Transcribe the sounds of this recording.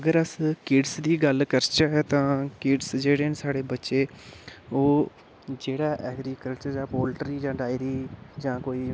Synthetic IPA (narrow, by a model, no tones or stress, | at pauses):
əɡəɾəskɪɖsd̪iːɡəlkəɾt͡ʃaːɦɛːt̪ãːkɪɖsd͡ʒeːɽeːnsaːɽeːbətːʃeː | oː | d͡ʒeːɽaːʔɛːɡɾiːkəlt͡ʃəɾd͡ʒãːpoːlʈəɾiːd͡ʒãːɖaːɪɾiːd͡ʒãːkoːiː